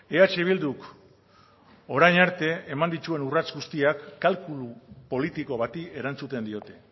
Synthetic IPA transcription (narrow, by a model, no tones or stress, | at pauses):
eat͡ʃeβ̞ild̪uk | o̞ɾajɲaɾt̪e̞ːmand̪it͡ʃ̪ue̞nurat͡sɡust̪iakːalkulupo̞lit̪iko̞β̞at̪ie̞ɾant͡sut̪e̞nd̪io̞t̪e̞